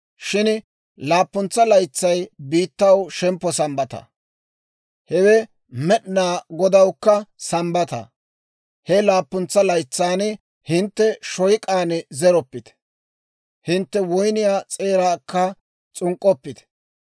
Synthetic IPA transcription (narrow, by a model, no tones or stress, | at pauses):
ʃɪn | laːpːʊnt͡sːɐlɐjt͡sːɐjbiːt̪ːɐwʃɛmpːɔsɐmbɐt̪ɐ̰ | hɛwɛ | mɛɗnaːɡɔd̪ɐwkːɐsɐmbɐt̪ɐ̰ | hɛlaːpːʊnt͡sːɐlɐjt͡sːaːn | hɪnt̪ːɛʃɔjkʼaːnɛzɛɾɔpːɪt̪ | hɪnt̪ːɛwɔjnɪjaːt͡sʼe̞ːɾaːkːɐ | t͡sʼʊŋkʼːɔpːɪt̪